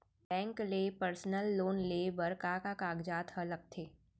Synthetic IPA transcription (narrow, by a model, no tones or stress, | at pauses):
bɛ̃ːŋkleːpəɾsnəlːoːnleːbəɾkakakaːɡd͡ʒaːt̪ɦələk̚t̪ʰeː